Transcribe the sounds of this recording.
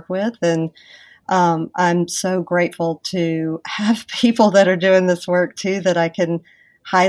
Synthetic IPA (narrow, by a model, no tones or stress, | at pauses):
kwɪðɨ̃n | ʔʌ̃mʔãɪ̃msoʊɡɹeɪtfl̩ˠtʰɨəv̥pʰipl̩ˠðɨɾə˞dʉɪ̃ŋðɪswɜ˞k̚tʰʉðɨɾaɪkʰɨ̃n | haɪ